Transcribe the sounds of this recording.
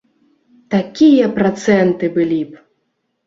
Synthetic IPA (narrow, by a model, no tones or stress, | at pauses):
t̪akʲijɐpɾat̪sɛnt̪ɨbɨlʲip